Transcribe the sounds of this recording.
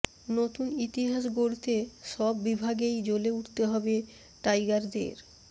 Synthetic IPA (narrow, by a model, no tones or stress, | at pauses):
not̪unit̪iɦaʃ̬ɡoɽt̪eʃɔbːibʱaɡejd͡ʑoleuʈʰt̪eɦɔbe | ʈajɡaɾd̪ḛɾ